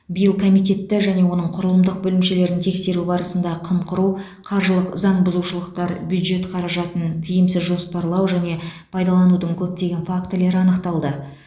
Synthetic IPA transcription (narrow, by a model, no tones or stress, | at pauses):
bijəlˠkʰomijt̪̬ʲe̞t̪ːɪʒæne̞wo̞nəɴqʰʊɾəlˠəmd̪əq̚bɵlɪmʃe̞le̞ɾɪnt̪ʰe̞kse̞ɾubɑɾəsənd̪ɑqʰəmqʰʊɾu | qʰɑɾʒəlˠəqzɑɴbʊzuʃəlˠəqt̪ɑɾbjud̪ʒe̞t̪qʰɑɾɑʒɑt̪ənt̪ʰijɪmsɪzʒo̞spɑɾlˠɑwʒæne̞pʰɑjd̪ɑlˠɑnud̪əɴkʲʰɵp̚t̪e̞ɡʲe̞nfakt̪əle̞ɾɪɑnəqt̪ɑlˠd̪ə